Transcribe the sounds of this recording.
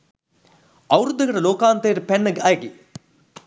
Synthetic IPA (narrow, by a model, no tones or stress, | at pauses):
ɐwɾud̪ʱːɐɣɐɽɐloːkaːnt̪ejɾpenːɐɡaːɡi